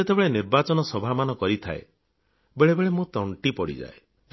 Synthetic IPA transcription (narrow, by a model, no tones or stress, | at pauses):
et̪ebeɭeniɾbat͡ʃɔnɔsɔbʱamanɔkɔɾit̪ʰa̰ḛ | beɭebeɭemut̪ɔɳʈipɔɽḭd͡ʒa̰e